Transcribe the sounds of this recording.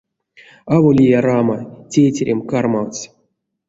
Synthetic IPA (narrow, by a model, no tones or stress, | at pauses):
avolʲijaɾamatʲejtʲeɾʲʔemkarmaws